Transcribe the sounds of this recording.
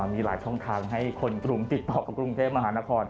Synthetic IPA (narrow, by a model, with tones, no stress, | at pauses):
miː˧la̰ː˩˦jt͡ɕʰɔ˥˩ŋt̪ʰaː˧ŋɦa˥˩jkʰo˧nkɾu˧ŋt̪i˨˩t̪ːɔː˨˩ka˨˩kɾu˧ŋt̪ʰeː˥˩p̚ma˧ɦaː˩˦na˦˥kʰɔː˧n